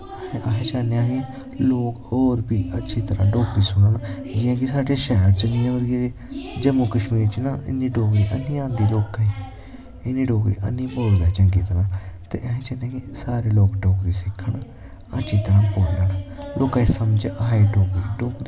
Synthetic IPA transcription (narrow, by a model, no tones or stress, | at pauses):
eʔəɦẽːt͡ʃaːnejãːɡeː | loːkoːɾbiːʔətːʃʰiːt̪əɾã̰ːɖoːkɾiːsʊnən | d͡ʒɪjãːkisaːɖeːʃɛːɾt͡ʃəniːãːʋəɾɡe | d͡ʒəmũːkəʃmiːɾt͡ʃinaːʔɪ̰nːiːɖoːkɾiːʔənːiːãːd̪iːloːkaeː | ɪnːĩːɖoːkɾḭːʔə̰nːĩːboːd̪aːt͡ʃəŋɡiːt̪əɾãːt̪ḛːʔəɦẽːt͡ʃanãːɡeːsaːɾeːloːkɖoːkɾiːsɪkʰːəɳ | ətːʃʰiːt̪əɾãːpoːnənloːkaiːsəmd͡ʒẽʔaɦeːɖoːkɾiːɖoːkɾiː